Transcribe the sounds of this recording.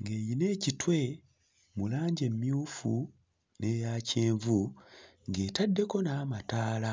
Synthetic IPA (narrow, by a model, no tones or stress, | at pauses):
ŋɡe̞ːjine̞ːcitwe̞ | mulaːɲɟe̞mːjuːfu | ne̞jaːceːɱvu | ŋɡe̞ːtadːe̞ko̞naːmataːla